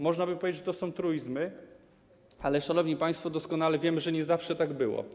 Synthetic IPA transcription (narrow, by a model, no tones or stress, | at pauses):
mɔʐnabɘpɔvʲed͡ʑɛd͡ʑʐɛt̪ɔsɔ̃w̃t̪ɾujzmɘ | alɛʂanɔvɲipajst̪fɔd̪ɔskɔnalɛvʲjɛmɘʐɛɲɛzafʂɛt̪aɡbɘwɔ̰